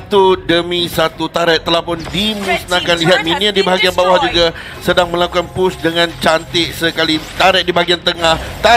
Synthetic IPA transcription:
t̪udəmisat̪ut̪aɾɛʔ̚t̪ːəlahpʊndimũsnakanliɦat̪̚miniadibaɦaɡianbawahd͡ʒuɡa | sədaŋmə̃lakukanpʊsdəŋãnt͡ʃant̪ɪʔsəkalit̪aɾɛʔ̚dibaɦaɡiant̪əŋaht̪a

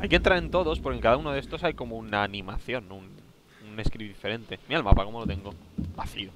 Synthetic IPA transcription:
ajkent̪ɾaɾe̞nt̪o̞ðo̞spoɾke̞ŋkaðaunoðest̪o̞sajko̞mounaːnĩmaθjo̞nun | une̞skɾiβiðife̞ɾe̞nt̪e̞miɾalma̰pako̞molo̞t̪eŋɡo̞ | baθio

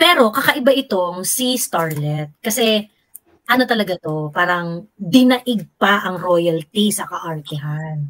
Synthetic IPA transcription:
pɛːɾo̞kɐkɐʔɪbaʔɪt̪o̞ŋsist̪aɹlɛt̪̚kɐsɛ | ʔɐno̞t̪ɐlɐɡat̪o̞paːɾɐŋd̪ɪnɐʔɪɡ̚pɐʔɐŋɾoːjɐlt̪isɐkɐʔɐɹk̪ɪɦan

